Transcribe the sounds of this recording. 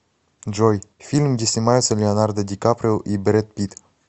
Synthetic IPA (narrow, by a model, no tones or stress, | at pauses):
d͡ʒojfilmd̪ʲisimajosəleanard̪əd̪ikapɾeʔibeɾet̪̚pit̪